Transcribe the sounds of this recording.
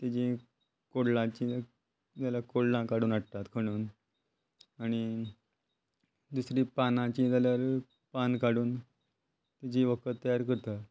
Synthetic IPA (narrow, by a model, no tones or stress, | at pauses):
t̪ad͡ʑĩ | koɽlãt͡ɕĩ | t̪alakoɽlãkaɽuːnaɽt̪at̪kʰəɽ̃uːn | aɽ̃i | d̪usɾiːpanãt͡ɕĩt̪aljaɾ | pankaɽuːn | t̪id͡ʑĩːʋəkʰət̪ːəjaɾkəɾt̪a